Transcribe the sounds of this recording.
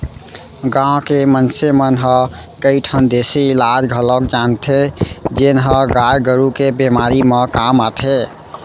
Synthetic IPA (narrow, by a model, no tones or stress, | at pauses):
ɡãwkemənsemənɦə | kəɪʈʰənd̪eseilad͡ʒɡʱələkd͡ʒant̪ʰed͡ʒenɦəɡajɡəɾukebemaɾimekamat̪ʰe